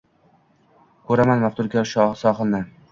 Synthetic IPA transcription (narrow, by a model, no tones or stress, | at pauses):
kʰɵɾamanmaft̪ʊɾkʲaʃsɒχɨlnan